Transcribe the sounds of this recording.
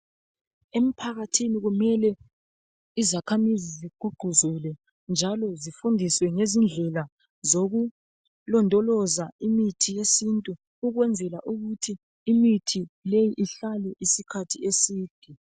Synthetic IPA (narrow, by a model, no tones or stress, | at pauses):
em̩pʰaɣatʰiniɣumɛlɛ | izakʰamiziziɡ͡ǃ̥ʱuɡ͡ǃʱuzulɛ | nd͡ʒʱalɔzifundʱiswɛŋezind͡ɮʱɛla | zoɣu | lɔndʱʼɔlɔzaimitʰijesintʼu | uɣwɛnd͡zʱɛlaʔuɣutʰiː | mitʰilejiʔiɬalɛʔisikʰatʰiesiːd̥ʱi